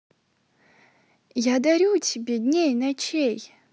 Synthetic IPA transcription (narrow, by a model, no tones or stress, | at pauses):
jad̪ɐɾʲutʲɪbʲed̪ʲnʲejnɐt͡ɕej